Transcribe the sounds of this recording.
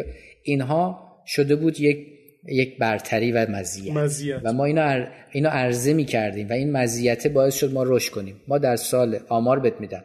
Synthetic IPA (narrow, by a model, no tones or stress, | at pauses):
iːnɦɒːʃo̞d̪e̞buːd̪jek | jecʰbæɾt̪ʰæɾiːvæmæzijævæmɒːiːnɒiːnɒːʔæɾze̞miːcʰæɾd̪iːmvæiːnmæziːjæt̪ʰebɒːesʃod̪̚mɒːɾoʃt̪kʰo̞niːmːɒːd̪æɾsɒːlʔɒːmɒːɾbet̪̚miːd̪æm